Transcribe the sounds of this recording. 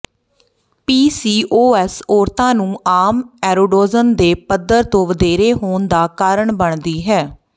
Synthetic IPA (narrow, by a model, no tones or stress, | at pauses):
piːsiːʔoːɛːsoːɾt̪ãːnũːʔaːmɛːɾoːɖoːzənd̪eːpəd̪əɾt̪õːʋəd̪eːɾeːɦoːnd̪aːkaːɾəɳbəɳd̪iːɦɛː